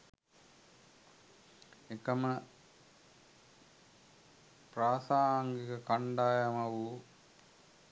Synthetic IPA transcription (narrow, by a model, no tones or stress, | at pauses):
ekɐmɐ | pɾaːsaːŋɡikɐkɐɳɖaːjɐmɐʋu